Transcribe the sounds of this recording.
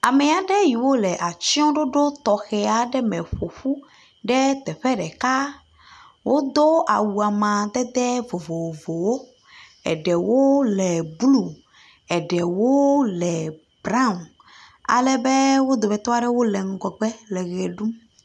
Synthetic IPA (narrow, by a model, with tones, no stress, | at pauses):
a˨mɛ˨a˨ɖɛ˦ji˨wo˦lɛ˨ʔa˨t͡ɕi˦ɔ̃˦ɖo˦ɖo˦t̪ɔ˨xɛ˨a˨ɖɛ˦mɛ̃˨ɸo˨ɸu˦ | ɖɛ˦t̪ɛ˨ɸɛ˦ɖɛ˨ka˦ | wʔo˦d̪o˦a˨wu˨a˨mã˨d̪ɛ˦d̪ɛ˦vo˨vo˨wo˨vo˨wo˦ | ɛ̰˨ɖɛ˨wo˦lɛ˨blu˨ | ɛ˨ɖɛ˨wo˦lɛ˨ | bɾã˦m˨ | a̰˨lɛ˨bɛ˦wo˦d̪o˨bɛ˨t̪ɔ˦a˦ɖɛ˦wo˦lɛ˨ŋ̩˨ɡɔ˨ɡ͡bɛ˦lɛ˨ɣɛ˨ɖu˦m